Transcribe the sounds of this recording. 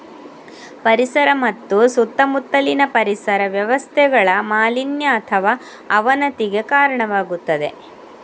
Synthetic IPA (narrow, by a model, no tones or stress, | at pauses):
pɐɾisɐɾɐmɐt̪ːusut̪ːɐmut̪ːɐlinɐpɐɾisɐɾɐʋjɐʋɐst̪ʰɛɡɐɭɐmaːlinjɐːt̪ʰɐʋaː | ɐʋɐnɐt̪iɡe̞kaːɾɐɳɐʋaːɡut̪ːɐd̪e̞̰